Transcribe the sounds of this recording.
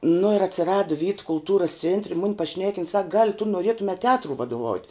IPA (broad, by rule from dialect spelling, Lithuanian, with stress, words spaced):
nʊ ɪr ɐtʲsʲɪˈrɑːdʊ ʋʲiːt kʊlˠˈtuːrʊs ˈt͡sʲeːnʲtʲrʲɛ mʊnʲ pɐˈʃʲnʲæːkʲɪn sɐk ɡɐlʲ tʊ nʊˈrʲeːtʊmʲɛ tʲɛˈɑːtrʊɪ ʋɐdʊˈʋɐʊtʲ